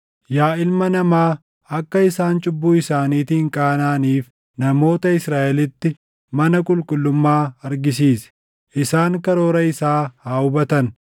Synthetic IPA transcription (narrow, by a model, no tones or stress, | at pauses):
jaːɪlmɐnɐmaː | ɐkːɐɪsaːnt͡ʃʼʊbːuːɪsaːniːt̪iːŋkʼaːnaːniːf | nɐmo̞ːt̪ɐɪsɾaːʔɛlɪt̪ːɪ | mɐnɐkʼʊlkʼʊlːʊmːaːɐɾɡɪs̬iːsɛ̥ | ʔɪsaːŋkɐɾo̞ːɾɐɪsaːhaːʊbɐt̪ɐn